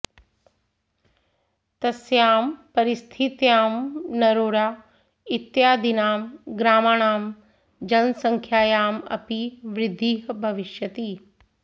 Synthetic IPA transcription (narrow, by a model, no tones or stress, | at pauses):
t̪ɐsjaːmpɐɾɪst̪ʰit̪jaːmnɐɾoːɽaː | ɪt̪jaːd̪inaːmɡɾaːmaːɽ̃aːm | d͡ʑɐnsɐ̃ŋkʰjaːjaːmɐ̰piʋɾɪd̪ʱːiːɦbʱɐʋɪʃjɐt̪iː